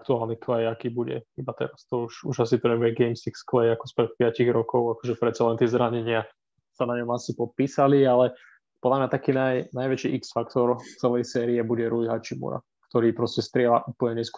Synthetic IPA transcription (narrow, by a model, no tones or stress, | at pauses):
k̚t̪uaːlˠniklɛjakiːbuɟɛ̰ibat̪ɛ̰ɾast̪ɔuʃuʒasit̪ɔɲɛʋɛɡɛɪmsiksklɛjakɔ̥spɾɛt̪̚pɪaciɣɾɔkɔʊakɔʒɛpɾɛt̪t͡salɛnt̪ɪɛzɾaɲɛɲɪa | sanaɲɔmasipɔt̪̚piːsalialɛ | pɔd̪lamɲat̪akiːnajnajʋɛt͡ʃiːʔiksfakt̪ɔɾt͡sɛlɛjsɛːɾiɛbuɟɛɾujɦat͡ʃimṵɾa̰ | k̚t̪ɔɾiːpɾɔscɛst̪ɾɪɛlaʔupl̩ɲɛɲɛsk